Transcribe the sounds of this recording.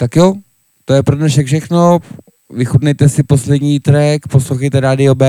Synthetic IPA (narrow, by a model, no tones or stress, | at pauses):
t̪akjo | t̪ojɛpɾodnɛʃɛkfʃɛxno | vɪxudnɛjt̪ɛsɪposlɛdɲiːt̪ɾɛkposloxɛjt̪ɛɾaːdɪobɛ